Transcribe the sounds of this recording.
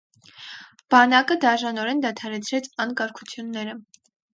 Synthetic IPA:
b̥ɑnɑkəd̪ɑʒɑnɔɾɛnd̪ɑt̪ʰɑɾɛt͡sʰɾɛt͡sʰɑŋkɑɾkʰut͡sʰjunːɛɾə

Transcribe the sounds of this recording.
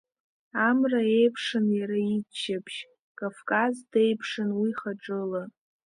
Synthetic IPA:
amrae̞jpʰʂɨnjaɾait͡ʃːapʰʃ | kʼafkʼazde̞jpʰʂɨnwiχaʈ͡ʂʼɨla

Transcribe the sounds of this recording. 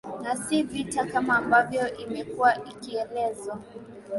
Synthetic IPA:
nasivitakamaːmbavjɔʔimɛkuwaʔikiɛlɛzwa

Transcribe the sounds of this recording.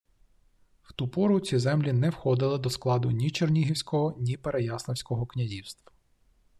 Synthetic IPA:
w̥t̪upɔɾʊt͡sʲizɛmlʲinɛwxɔd̪ɪlˠɪd̪ɔsklˠɑd̪ʊnʲit͡ʃernʲiɦiwsʲkɔɦɔnʲipeɾejɑsnɔwsʲkɔɦɔknʲɐzʲiwst̪ʋɐ̥

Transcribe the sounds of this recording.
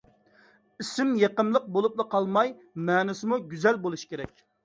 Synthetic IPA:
isɪmjeqəmlˠəq̚bolˠup̚lˠəqʰɑlˠmɑj | mɛːnɪsɪmuɡʲyzɛlbolˠuʃkʲeɾɛkʲ

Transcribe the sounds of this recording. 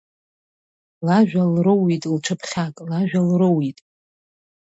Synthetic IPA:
laʒᶣalrɨwitʼlʈ͡ʂʰɨpʰχʲakʼlaʒᶣalrɨwitʼ

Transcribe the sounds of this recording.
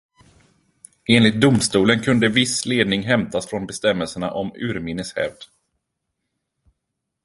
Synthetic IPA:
eːnlɪt̪̚d̪ʊmst̪uːlənkʰɵnd̪əvɪsleːd̪̚nɪŋɦɛmt̪asfɾɔnbɛst̪ɛmːəlsəɳa̰ʔɔmʉ̟ːɾmɪnːəshɛ̰vd̪

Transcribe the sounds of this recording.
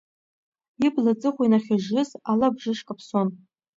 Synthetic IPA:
iblat͡sʼɨχʷinaχʲaʒɪzalabʐɨʂkʼapʰson

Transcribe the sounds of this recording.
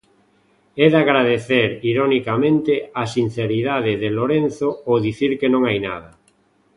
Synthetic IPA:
ɛðaɣɾaðeθeɾiɾonikamẽnt̪easin̟θeɾiðaðɪðeloɾen̟θooðiθiɾkenõŋajna̰ð̞a

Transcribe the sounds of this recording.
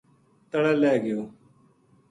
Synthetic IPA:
t̪əɽeːlɛːɡɪjoː

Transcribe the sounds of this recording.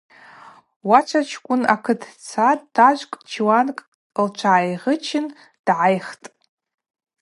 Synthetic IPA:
wat͡ʃʷʰat͡ʃʰkʷʼʊna̰kʰɨdʰt͡sʰatʼːaʒʷkʼd͡ʒʰiwankʼ | lt͡ʃʷʰaːjʁət͡ʃʰɪn | d̥ʕajχtʼ

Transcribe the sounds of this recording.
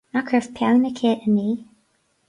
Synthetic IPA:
nakʰɹəvpʰjawnəkʰeːʔəniː

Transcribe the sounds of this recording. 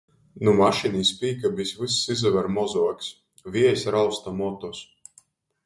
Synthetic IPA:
numaʃiniːspiːkabisvisːizavɛɾmɔzɔɔkʲs | viɛjsɾawst̪amɔt̪ɔs

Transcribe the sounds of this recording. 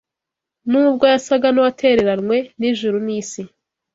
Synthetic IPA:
nuːbɡo̞jasaɡanuwatʰe̞ɾeɾanŋwe̞niʒuɾuniːsi

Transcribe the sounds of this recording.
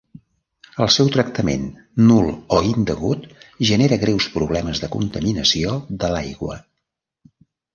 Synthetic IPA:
əlˠsɛwt̪ɾək̚t̪əmḛnː | ulˠɔind̪əɣut̪ʒəneɾəɣɾɛwspɾuβlɛməzðəkṵnt̪əminəsioðəlajɣwə̰

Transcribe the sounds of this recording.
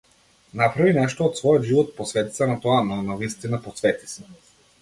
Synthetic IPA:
napɾavinɛʃt̪oːt̪svɔjɔd̪ʒivɔt̪̚posvɛt̪i̥t̪sanat̪ɔananavist̪inaposvɛt̪i̥sɛ̥

